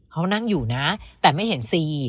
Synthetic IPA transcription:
kʰa˦˥wna˥˩ŋjuː˨˩na˦˥t̪ɛː˨˩ma˥˩jɦe˩˦nsiː˧

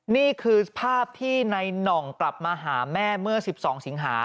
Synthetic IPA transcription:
niː˥˩kʰɯː˧pʰaː˥˩p̚t̪ʰiː˥˩na˧jnɔ˨˩ŋkla˨˩p̚maː˧ɦaː˩˦mɛː˥˩mɯ˥˩ɐsi˨˩p̚sɔː˩˦ŋsi˩˦ŋɦaː˩˦

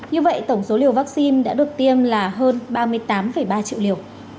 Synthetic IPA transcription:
ɲɨ˧və̰˧˨jt̪ə˧˩wŋ͡mso˨˦li˧˩əwvaː˦˥k̚si˧nɗa̰ː˧˥ɗɨ˨˩ək̚t̪i˧əmlaː˨˩ɦəː˧nɓaː˧mɨ˧əjt̪aː˨˦mfə˧˩jɓaː˧t͡ɕḭ˧˨wli˧˩əw

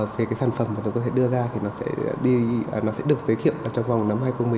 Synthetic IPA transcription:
ve˨˦kaː˨˦jsaː˧˩nfə˧˩mːaː˨˩t̪kɔ˨˦t̪ʰe˧˩ɗɨ˧əzaː˧t̪ʰi˨˩nɔ˨˦sɛ̰˧˥˧ɗi˧˨˩nɔ˨˦sɛ̰˧˥ɗɨ˨˩ək̚zəː˨˦jk̪ʰḭ˧˨wʔaː˨˩t͡ɕɔ˧wŋ͡mva˨˩wŋ͡mna˨˦mɦaː˧jxə˧wŋ͡mmɨ˨˩˨

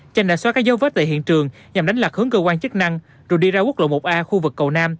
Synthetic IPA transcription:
t͡ɕa˧jŋɗa̰ː˧˨swaː˦˥kaː˦˥k̚zə˨˦wvəː˦˥t̚t̪ḛ˧˨˩ɦḭ˧˨ənt͡ɕɨ˨˩əŋ | ɲa˨˩mɗa˨˦ŋ̟lwa˨˩k̚hɨ˨˦əŋkəː˧kwaː˧nt͡ɕə˦˥k̚na˧ŋ | zo˨˩jɗi˧zaː˧wk̚lo̰˧˨mo˨˩t̚ʔaː˧xu˧vɨ˨˩kːə˨˩wnaː˧m

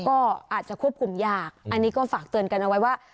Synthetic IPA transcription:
kɔː˥˩ʔaː˨˩t̪̚t͡ɕa˨˩kʰu˥˩əp̚kʰu˧mjaː˥˩k̚ʔa˧nːiː˦˥kɔː˥˩faː˨˩k̚t̪ɯ˧ənka˧nʔa˧wa˦˥jwaː˥˩

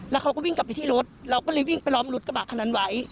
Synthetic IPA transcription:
lɛ˦˥wkʰa˦˥wkɔː˥˩wi˥˩ŋka˨˩pːa˧jt̪ʰiː˥˩ɾo˦˥t̪̚ɾa˧wkɔː˥˩lɤː˧jwi˥˩ŋpa˧jlɔː˦˥mlu˦˥t̪̚ka˧baː˨˩kʰːa˧naː˧˥nwa˩˦j

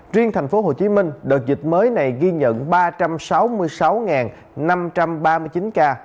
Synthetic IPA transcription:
zwi˧əŋt̪ʰjŋ̟fo˨˦ɦo˨˩t͡ɕi˨˦mï˧ŋ̟ɗɨː˨˩t̚zï˨˩t̟̚məː˨˦jna˨˩jɣi˧ɲə̰˧˨nɓaː˧t͡ɕa˧msa˨˦wmɨ˧əjsa˨˦wŋaː˨˩n | na˧mt͡ɕa˧mɓaː˧mɨ˧jt͡ɕi˨˦nkaː˧

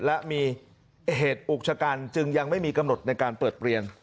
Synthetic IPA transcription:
lɛ˦˥miː˧ | heː˨˩t̪̚ʔuː˨˩k̚t͡ɕʰa˧kaː˧nt͡ɕɯ˧ŋja˧ŋma˥˩jmiː˧ka˧mno˨˩t̪̚na˧jkaː˧npɤː˨˩t̪̚pɾi˧ən

